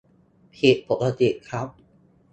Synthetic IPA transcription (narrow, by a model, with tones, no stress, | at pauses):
pʰi˨˩t̪̚po˨˩kʰa˧t̪i˨˩ʔkʰa˦˥p̚